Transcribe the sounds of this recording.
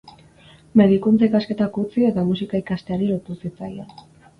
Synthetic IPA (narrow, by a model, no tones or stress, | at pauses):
me̞ðikunt͡saikaske̞t̪akut͡sie̞t̪amusikaikast̪e̞aɾilot̪usit͡sajan